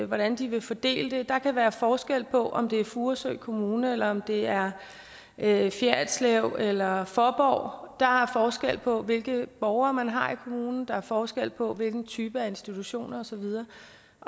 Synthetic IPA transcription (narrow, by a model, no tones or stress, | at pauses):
ʋɒɾ̥ænd̥iʋe̝fɒd̥e̝̰ːləd̥e̝d̥ɑ̈kʰæʋæːɐfɒːsɡ̥el̰pʰɒ̽ʔɒ̽md̥e̝æɐfuːɐsøɪ̰kʰo̝muːnəelɐɒ̽md̥e̝æɐ | fjæɐd̥sleʊ̰elɐfɒb̥ɒ̰ʊ̰d̥ɑ̈æɐfɒːsɡ̥el̰pʰɒ̽ʋe̝lɡ̥əb̥ɒʊɐːmænɦɑ̈ikʰo̝muːnn̩d̥ɑ̈æɐfɒːsɡ̥el̰pʰɒ̽ʋe̝lɡ̥n̩t͡sʰyːb̥əæe̝nsd̥it͡sʰuɕo̝̰ːnɐɒ̽sɒ̽ʋið̞ˠɐː